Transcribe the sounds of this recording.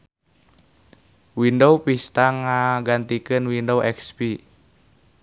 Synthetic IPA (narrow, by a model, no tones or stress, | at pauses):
windowpist̪aŋaɡant̪ikɨnwindowʔɛkspi